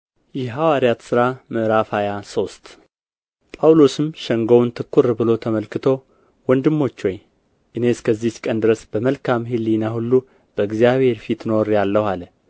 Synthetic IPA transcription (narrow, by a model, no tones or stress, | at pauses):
jɛɦawaɾijat̪sɨɾamɨʔɾafajaso̞st̪ | pʼawlosɨmʃɛŋɡownt̪ʰɨkʰːuɾbɨlo̞t̪ʰəməlkɨt̪ʰo̞ | wɔnd̪ɨmːo̞t͡ʃːwɔj | ʔɨne̞skʰəzːit͡ʃkʼənd̪ɨɾəsb̥əməlkʰamɦɨlːinahulːu | b̥əɨɡzijaβhe̞ɾfit̪no̞ɾjalːəhalə